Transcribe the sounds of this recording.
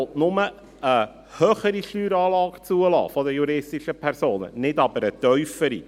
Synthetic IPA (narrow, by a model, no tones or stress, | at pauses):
ltnʊmə | ə | hœːχəɾiʃtyːɾɑːlɑːkt͡suəlɑ̰ːfɔdəjuɾɪstiʃəpʰɛɾsoːnə̰nɪdɑbəɾət̪œʏfəɾḭ